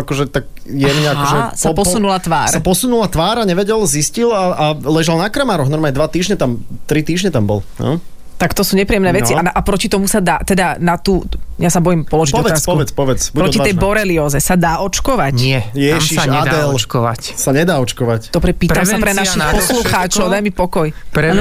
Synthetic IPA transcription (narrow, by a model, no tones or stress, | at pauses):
akɔʒɛt̪ak | jɛd̪ɲɛaɔʒɛsapɔsunulat̪ʋaːɾsaapɔsunulat̪ʋaːɾaɲɛʋɛɟɛlziscilaalɛʒalnakɾamaːɾɔɣnɔɾmaːɲɛd̪ʋat̪iːʒɲɛt̪amt̪ɾit̪iːʒɲɛt̪ambɔ̰lnɔ̰ | t̪akt̪ɔsuːɲɛpɾiːjɛmnɛːʋɛt͡sianaʔapɾɔcit̪ɔmusad̪aːt̪ɛd̪anat̪uːjasabɔjimpɔlɔʒiɔʋt̪aːspkɔuʋɛt͡spɔʋɛt͡sbuɾɔcit̪ɛjbɔɾɛliɔːzɛsad̪aːʔɔt͡ʃkɔʋaɲɛjɛʒisaʃad̪ɛlkɔʋa̰csaɲɛd̪aːɔt͡ʃkɔʋacd̪̥ɔbɾɛpiːtɾamsapɾɛnaʃixpɔsluxaːt͡ʃɔʊd̪ajmipɔkɔjpɾɛ